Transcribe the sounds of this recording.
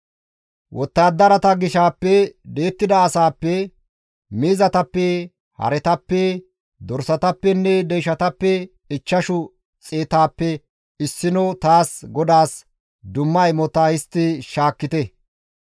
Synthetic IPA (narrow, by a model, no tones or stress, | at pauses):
wʔɔt̪ːaːd̪ːɐɾɐt̪ɐɡɪʃaːpːɛd̪e̞ːt̪ːɪd̪ɐːsaːpːɛ | miːzɐt̪ɐpːɛ | hɐ̰ɾɛt̪ɐpːɛ | d̪ɔɾsɐt̪ɐpːɛnːɛd̪ɛjʃɐt̪ɐpːɛ | ɪt͡ʃːɐʃʊ | t͡sʼeːt̪aːpːɛ | ɪsːɪnɔt̪aːsɡɔd̪aːs | d̪ʊmːɐjmɔt̪ahɪst̪ːɪʃaːkːɪt̪ɛ